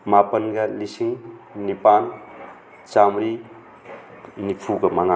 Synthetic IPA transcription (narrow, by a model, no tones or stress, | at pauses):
mapɐnɡɐlisiŋnipan | t͡ʃamɾi | nipʰuɡɐmaŋa